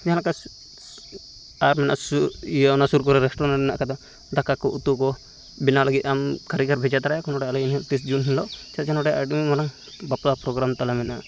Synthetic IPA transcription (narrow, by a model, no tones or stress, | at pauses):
d͡ʒaɦãlaka | aɾmɛna̰ʔsuijnasuɾkɔɾɛɾɛsʈɾɔnaɖɛna̰ʔkad̪ɔ | d̪akːakɔʔut̪ukɔ | binalaɡiʔ̪amkaɾikaɾbʱɛd͡ʒat̪aɾajakɔnɔʈɛalɛinɦɛt̪is̬d͡ʒunɦinlɔʔt͡ʃɛt̪t͡ʃanɔʈɛʔaɖimimɔnaŋ | baplapɾɔɡɾamt̪alamɛnʔa̰